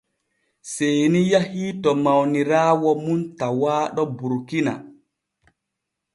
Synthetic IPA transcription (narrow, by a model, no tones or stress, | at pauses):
sejnijahiːtɔmawniɾaːwɔmuntawaːɗɔbuɾkina̰